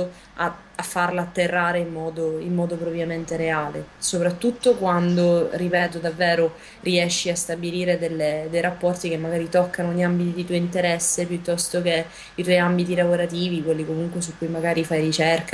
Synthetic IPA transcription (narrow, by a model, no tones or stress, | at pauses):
a̰ | afːarlaːt̪ːerːaːɾeimːɔːd̪oimːɔːd̪opɾovjament̪eɾeaːlesopɾat̪ːut̪ːokwand̪oripɛːt̪od̪avːɛːɾo | riɛʃːiast̪abiliːɾed̪elːed̪ejɾapːɔrt̪ikemːaɡaːɾit̪ɔkːanoniambit̪id̪it̪uoint̪eɾɛsːepjut̪ːɔst̪oke | it̪wɔjambit̪ilavoɾat̪iːvikwelːikomuŋkwesukːujmaɡaːɾifajɾit͡ʃɛrka